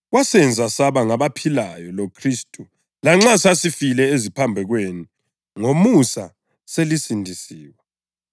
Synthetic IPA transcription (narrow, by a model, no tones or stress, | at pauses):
ɣwasɛnd͡zʱasaβaŋaβapʰilajɔlokʰristʼu | laŋ͡ǁasasifilɛezipʰambʱɛɣwenu | ŋomusa | selisindʱisiːwa